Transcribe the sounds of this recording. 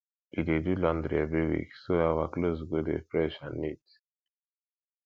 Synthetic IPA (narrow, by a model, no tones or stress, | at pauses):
idedulɔ̃ndɾḭɛvɹiwḭksoawaklos̬ɡodḛfɹɛʃãnːit